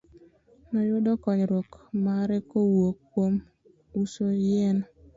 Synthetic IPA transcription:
nɔjʊdɔkɔɲɾwokmaɾɛkowokːwom | usojɛn

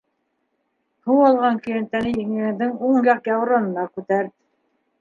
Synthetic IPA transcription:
huwɑlˠʁɑŋkɵ̆jĕnt̪ːænɘjiŋɘ̆ɡɘ̆d̪ɘŋuɴjɑqjɑwɾɑnɤ̆nɑkʉt̪æɾðɘ

